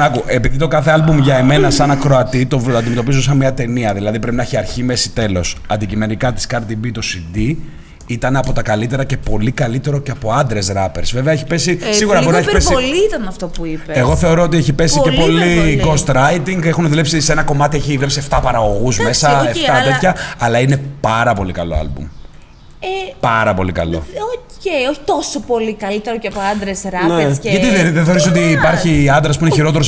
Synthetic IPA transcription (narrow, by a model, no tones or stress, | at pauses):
nɐkuʔe̞piðit̪o̞kɐθe̞ɐlbumʝɐeme̞nɐsɐnɐkɾoɐt̪it̪oɐnd̪imet̪o̞pizos̬ɐnmɲɐt̪e̞niɐðilɐðipɾe̞pinɐçiɐɾçime̞si̥t̪e̞lo̞sɐnd̪icime̞nikɐt̪i̥skɐɾt̪ibit̪o̞sid̪i | it̪ɐneɐpo̞t̪ɐkɐlit̪e̞ɾɐce̞po̞likɐlit̪e̞ɾo̞ceɐpo̞ɐnd̪ɾe̞sɾɐpe̞ɾsve̞veɐeçi̥pe̞sisiɣuɾɐbo̞ɾineçpesiolit̪ɐnɐft̪opuipeeɣo̞θe̞o̞ɾo̞ot̪̬ieçipe̞sicepo̞liɡo̞st̪ɾɐjt̪iŋɡexuneðule̞psiseenɐko̞mɐt̪ieçivlepsie̞ft̪ɐpɐɾɐɣo̞ɣuzme̞sɐeft̪ɐt̪et̪çɐɐlɐine̞pɐɾɐpo̞likɐlo̞̰ɐ̰lbṵm | epɐɾɐpo̞̰likɐ̰lo̞̰ocejoçi̥t̪o̞sopo̞likɐlit̪eɾoceɐpoɐnd̪ɾesɾɐnesʝɐt̪iɐðeθeo̞ɾis̬o̞t̪iːpɐɾçiɐnd̪ɾɐspuineçiɾo̞t̪eɾos